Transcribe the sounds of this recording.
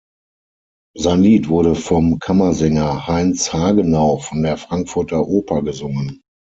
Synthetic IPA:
zaɪnliːtv̥ʊɐɾəfɔmkʰamɐzɛŋɐhaɪnshaːɡənaʊfɔndeːɐfʁ̥aŋkfʊɐtʰɐʔoːpʰɐɡəzʊŋən

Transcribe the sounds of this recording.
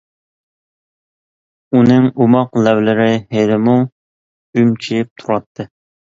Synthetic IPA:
unɨŋumɑqlɛwlɪɾɪɦed̪ɪmu | ymt͡ʃʰijɪp̚t̪ʰuɾɑt̪ʰːɨ

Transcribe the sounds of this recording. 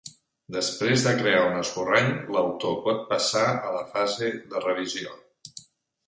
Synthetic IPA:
d̪əspɾezðəkɾeaunəskuraɲləwt̪opɔt̪̚pəsaələfazeðərəβizio

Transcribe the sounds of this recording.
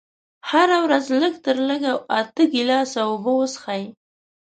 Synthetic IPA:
haɾawɾazləɡt̪əɾləɡaat̪əɡilɑsawobəwəsə̥xaj

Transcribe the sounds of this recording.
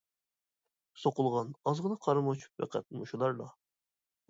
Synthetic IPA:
soqʊlˠʁɑnɑzʁənɨqʰɑɾmot͡ʃʰu̥p̚vɛ̰qʰɛ̰t̪̚muʃulˠɑɾd̪ɑ

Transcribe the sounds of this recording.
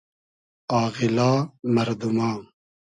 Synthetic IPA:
aːɣilaːmɐɾd̪umaː

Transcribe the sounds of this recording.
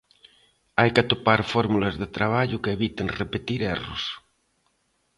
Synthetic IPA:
ajkeat̪opaɾfɔɾmulɐzðet̪ɾaβ̞aʎʊkeːβit̪enrepet̪iɾɛrʊ̰s

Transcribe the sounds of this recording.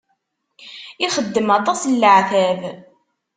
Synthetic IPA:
iχəd̪ːəmɑt̪ˤɑslːəʕθæv

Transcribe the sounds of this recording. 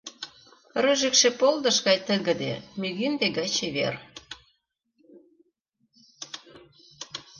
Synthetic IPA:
ryʒĕkʃĕpold̪ə̆ʃɣɑjt̪əɣə̆d̪ḛmyɣynd̪eɣɑt͡ɕeβḛr

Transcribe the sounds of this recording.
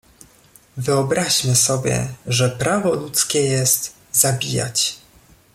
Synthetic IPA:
vɘɔbɾaʑmɘsɔbʲjɛ̰ʐɛpɾavɔlut̪skʲɛjɛst̪ | zabʲija̰t͡ɕ

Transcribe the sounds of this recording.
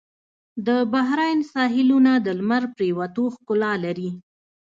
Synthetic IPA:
d̪əbaɦɾɑjnsɑɦɪlunad̪əlmaɾpɾewat̪oxkʊlɑlaɾi

